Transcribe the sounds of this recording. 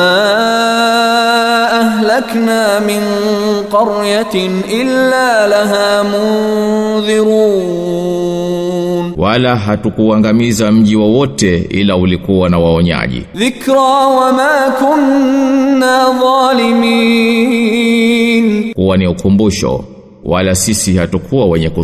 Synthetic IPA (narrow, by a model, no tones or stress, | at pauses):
a | ʔaɦlaknaːmɪn | qɑɾja | ʔɪlːaːlaɦaːmʊnðɪɾuː | nwʔalaɦatukuaŋɡamizam̩ʄiwɔwɔtɛḭlaulikuwanawaɔɲa̰ʄḭðɪkɾaːwamaːkʊnː | aːðˤɑːlɪmiː | nkuwaniukumbuʃɔ̰ | walasisihatukʰuwawɛɲɛku